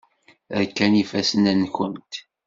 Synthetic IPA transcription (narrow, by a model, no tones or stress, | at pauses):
əɾkːænifæsənænçənt̪